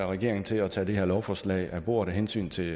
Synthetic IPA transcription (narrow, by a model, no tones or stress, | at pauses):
ʁɛɡ̥e̝ɐ̰eŋn̩t͡sʰe̝lɒt͡sʰɛ̰ːd̥e̝ɦeɐlɒʊfɒslɛ̰ɪæbo̝̰ːɐ̥eɦensy̰ːnt͡sʰe̝